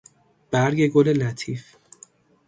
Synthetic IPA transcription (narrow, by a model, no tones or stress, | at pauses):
b̥æɾɟe̞ɡole̞læt̪ʰiːf